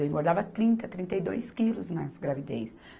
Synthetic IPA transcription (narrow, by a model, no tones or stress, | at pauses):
ẽɡoɾd̪avɐt̪ɾĩnt̪ɐt̪ɾĩnt̪ejd̪ojskilʊznɐzɡɾavid̪ḛjs